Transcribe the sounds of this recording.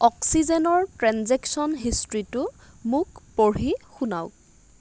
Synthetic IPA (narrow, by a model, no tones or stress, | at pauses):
ɔksizɛnɔɹtɹanzɛksɔnɦistɹitʊ | mʊkpoɹixuna̰w